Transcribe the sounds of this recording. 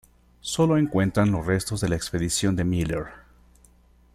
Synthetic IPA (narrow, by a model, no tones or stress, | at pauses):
so̞lo̞e̞ŋkwe̞nt̪ɾanlo̞sre̞st̪o̞zðe̞laekspe̞ðisjo̞nd̪e̞mileɾ